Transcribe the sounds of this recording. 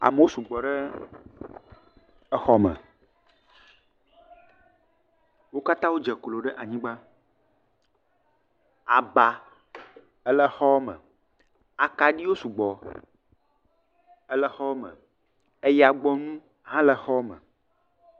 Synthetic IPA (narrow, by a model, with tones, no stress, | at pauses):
a̰˨mə˦wo˦su˨ɡ͡bɔ˨ɖɛ˦ | ə˦xɔ˦mə̰̃˨ | wo˦ka˦t̪ã˦wo˦d͡ʒɛ˨klo˨ɖɛ˦ʔa˨ɲĩ˦ɡ͡ba˦ | a˨ba˨ | ə˦lə˦xɔ˦mə̰̃˨ | a˨ka˨ɖi˦wo˦su˨ɡ͡bɔ˨ | ə˦lɛ˦xɔ˦mə̰̃˨ | e˦ja˨ɡ͡bɔ˦nũ˦ | ɦã˦lɛ˦xɔ˦mə̰̃˨